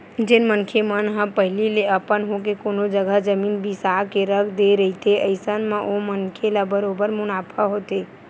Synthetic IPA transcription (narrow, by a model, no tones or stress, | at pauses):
d͡ʒenmənkʰemənɦə̃pəɦɪlileəpənɦok̬ekonod͡ʒəɡəd͡ʒəmiːnbisakeɾəkʰd̪eɾəɦit̪eəɪsənmẽʔomənkʰelabəɾobəɾmʊnaːpʰaɦot̪e